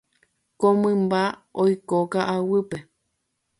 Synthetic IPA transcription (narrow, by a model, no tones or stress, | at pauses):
komɨ̃mbaojkokaʔawɨpe